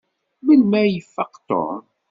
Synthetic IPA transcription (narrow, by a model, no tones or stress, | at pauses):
mənmæjəfːɑqt̪o̰ɾ